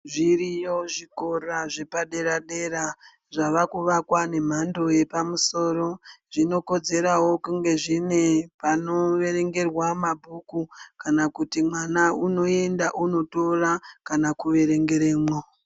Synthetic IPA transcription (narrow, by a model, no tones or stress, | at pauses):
ʐirijo̞ʐiko̞raʐe̞paɗe̞ɾaɗe̞ɾa | ʐaʋakuʋakwane̞m̤ando̞je̞pamuso̞ːɾo̞ʐino̞ko̞d͡ze̞ɾawo̞kuŋɡe̞ʐine̞pano̞ʋe̞ɾe̞ŋɡe̞rwamabʱukukanakutimwanauno̞e̞ndaʔuno̞to̞rakanakuʋe̞ɾe̞ŋɡe̞ɾeːmwo